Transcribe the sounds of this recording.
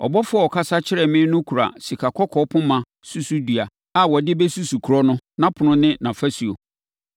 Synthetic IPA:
ɔ̰˨bɔ˦fʊ˦ɔ˨kʰa˦sa˦t͡ɕʰɪ˦ɾɛ˨mɪ̃˦nʊ̃˦kʰu˨ɾa̰˨si˨kʰa˨kʰɔ˦kʰɔ˦pʰʊ̃˦mã˨ | su˦su˦du˨a˨ | a˦wɔ˨dɪ˦bɛ˦su˦su˨kʰu˨ɾɔ˦nʊ̃˦nã˦pʰʊ˨nʊ̃˦nɪ̃˦nã˨fa˦si˨o̰˨

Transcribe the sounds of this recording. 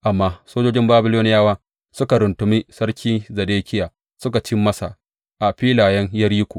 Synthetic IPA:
ʔa˨mːaː˦soː˦d͡ʒoː˦d͡ʒɪ˦mbaː˦bɪ˦loː˦nɪ˦jaː˦waː˦ | sʊ˦ka˨ɾʊ˨ntʊ˨mi˦sɐ˦ɽkʲʰiː˦zɐ˨deː˦kʲɪ˦jaː˨ | sʊ˦ka˨t͡ʃi˦mːɐ˦sa˨ | ʔa˨ɸiː˦laː˨jɛ˦ŋjɐ˦ɾiː˦kʷoː˨

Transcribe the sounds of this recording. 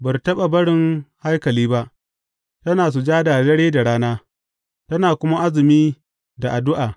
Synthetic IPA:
bɐ˨rtɐ˦ɓa˨bɐ˦ɽɪ˦ŋha˦jkɐ˨liː˦ba˦ʔ | tɐ˦naː˨s̬u˨d͡ʒaː˦da˨dɐ˦ɽeː˦da˨ɽaː˦naː˦ | tɐ˦naː˨kʷʊ˦ma˦ʔa˦zɪ˨miː˦ | da˨ʔa˨dʊ˦ʔaː˨

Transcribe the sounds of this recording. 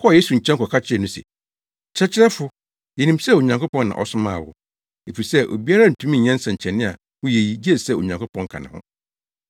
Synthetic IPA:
kʰɔ˦˨je˦su˨ɲ̩˨t͡ɕʰɛ̃˦ŋ˦kʰɔ˨kʰa˦t͡ɕʰɪ˦ɛ˨nũ˦sɛ̰˨ | t͡ɕʰɾɛ˦t͡ɕʰɪ˦ɾɛ˦fʊ˨˦ | jɛ˨nĩ˦msɛ˦˨o˨ɲã˨ŋkʊ˦pɔ̃˦nːã̰˨ʔɔ̰˦sʊ˦mãː˦˨wʊ̰˦ | e˨fi˨i˨sɛ˦ʔo̰˨bi˦a˦ɾa˦n̩˨tʰũ˦mĩ˦˨ɲɛ̃˦n̩˦sã˨ɲ̩˨t͡ɕʰɛ˨nɪ̃˦a̰˨ | wʊ̃˦je˨ji˨d͡ʑi˦ɛ˦˨sɛ˦˨o̰˨ɲã˨ŋkʊ˦pʰɔ̃˦ŋ˦kʰã̰˨nã̰˨hʊ̰̃˦

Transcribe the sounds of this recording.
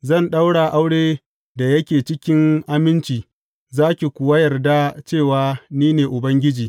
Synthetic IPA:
zɐ˦˨nɗa˦wɽa˨ʔa˦wɽeː˦ | da˨jɐ˦kʲeː˨t͡ʃɪ˦kʲɪ˦ŋʔa˦mɪ˦nt͡ʃiː˨ | zaː˦kʲi˨kʷʊ˨wa˦jɐ˨rda˦t͡ʃeː˦˨waː˨˦niː˦neː˨ʔʊ˨bɐ˦ŋɡʲɪ˦d͡ʒiː˨

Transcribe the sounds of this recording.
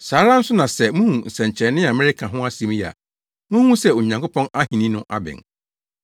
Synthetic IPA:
saː˨˦ɾa˦n̩˦sʊ˦nã˨sɛ˨mũ˦hũ˨n̩˨sɛ̃˨ɲ˨t͡ɕʰɛ˨nːɪ̃˦a˨mɪ̃˦ɾɪ˦kʰã˨ɦʊ̃˦a˦si˨˦m˦ja̰˨ | mũ˦ũ˦sɛ˦o˨ɲã˨ŋkʊ˦pʰɔ̃˦na˦hĩ˨nĩ˦nʊ̃˦ʔa̰˦bɪ̰̃˨n

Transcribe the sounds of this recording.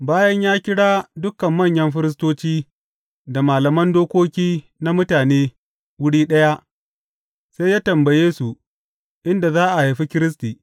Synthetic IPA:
baː˦jɐ˦ɲjaː˦kʲɪ˦ɽaː˦dʊ˦kɐ˨mːɐ˦˨ɲjɐ˦mɸɪ˦ɾɪ˦s̬toː˦t͡ʃiː˦ | da˨maː˨lɐ˨mɐ˦ndoː˦kʷoː˦kʲiː˦ | na˦mʊ˦taː˨neː˦ | wʊ˦ɽiː˦ɗɐ˦ja˦ʔ | sa˦jaː˦tɐ˨mbɐ˨jeː˦su˨ | ʔɪ˦nda˨zaː˦ʔa˨ha˨ɸi˦kʲɪ˦ɾɪ˦s̬tiː˨

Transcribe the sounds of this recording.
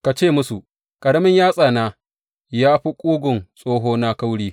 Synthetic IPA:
ka˨t͡ʃeː˦˨mʊ˦su˨ | kʼɐ˨ɽɐ˦mɪ˦ɲjaː˦sʼaː˨naː˦ | jaː˦ɸi˦kʷʼuː˦ɡʷʊ˨nsʼoː˦ɦoː˦na˦ka˦wɽiː˦

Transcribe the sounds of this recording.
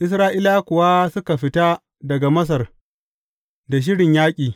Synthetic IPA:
ʔɪ˦s̬ɾaː˦ʔiː˦laː˦kʷʊ˨wa˦sʊ˦ka˨ɸɪ˦ta˦ | dɐ˨ɡa˨mɐ˦s̬ɐ˨r | da˨ʃ̬ɪ˦ɽɪ˨ɲjaː˦kʲʼiː˨

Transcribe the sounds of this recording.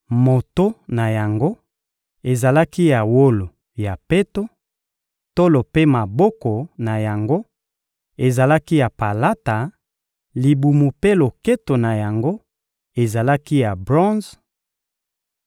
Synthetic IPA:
mo˨to˦na˨ja˨ŋɡo˦ | e˨za˨la˦ki˦ja˨wo˦lo˨ | ja˨pe˦to˦ | to˦lo˨pe˦ma˨bɔ˦kɔ˨na˨ja˨ŋɡo˦ | e˨za˨la˦ki˦ja˨pa˨la˦ta˨ | li˨bu˨mu˨pe˦lo˨ke˦to˨na˨ja˨ŋɡo˦ | e˨za˨la˦ki˦ja˨bʁɔ̃˦nz

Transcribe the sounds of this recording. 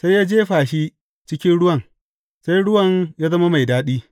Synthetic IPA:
sa˦jaː˦d͡ʒeː˦ɸaː˨ʃi˦ | t͡ʃɪ˦kʲɪ˦nɽʊ˦wɐ˨ŋ | sa˦jɽʊ˦wɐ˨ŋjaː˦zɐ˦ma˦ma˨jdaː˦ɗiː˦

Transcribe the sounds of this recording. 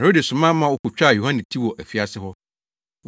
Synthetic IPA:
ɛ˨ɾo˦de˨sʊ̃˨mã˦mã˦wʊ˦kʰʊ˨t͡ɕᶣa˦˨jo˨hã˦ñ˨tʰi˦wɔ˨ʔæ˨fi˨˦a˨sɪ˦ɦɔ˦

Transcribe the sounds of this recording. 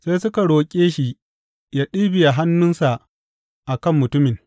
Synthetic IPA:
seː˦jsʊ˦ka˨ɽoː˨kʲʼeː˦ʃi˨ | jaː˦ɗiː˦bɪ˨ja˨ɦa˦nːʊ˦nsa˨ʔ | ʔa˨kɐ˦˨mːʊ˨tʊ˦mɪ˨ŋ

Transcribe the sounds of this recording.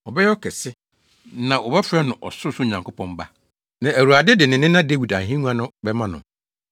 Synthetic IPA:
ɔ˨bɛ˦jɛ˦ɔ˦kʰɛ˨sɪ˦ | nã˨ʔɔ˨bɛ˦fɾɛ˦nʊ̃˨ʔɔ˨sʊ˦sʊ˦˨ɲã˨ŋkʰo˦pʰɔ̃˦m˦ba˦ | nã˨æ˨wu˨a˨dɪ˦dɪ˨nɪ̃˨nɪ̃˦nã˦de˦wi˨da˨ɦĩ˦nũ˦a˦nʊ̃˦bɛ˦mã˦nʊ̰̃˨

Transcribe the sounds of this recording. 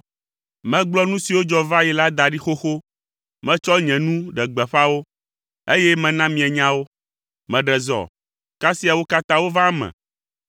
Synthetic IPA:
mɛ̃˦ɡ͡blɔ˦nũ˦si˨wo˦d͡ʒɔ˦va˦jɛ˨la˦d̪a˨ɖi˦xo˦xo˦ | mɛ̃˦t͡ʃɔ˦ɲɛ̃˨nũ˦ɖɛ˨ɡ͡bɛ˨ɸa˦wo˦ | e˦jɛ˦mɛ̃˨nã˦mĩ˨ɛ˨ɲã˦wo˦ | mɛ̃˨ɖɛ˨zɔ̰˨ | ka˦si˦a˨wo˦ka˦t̪ã˦wo˦va˦mɛ̰̃˨

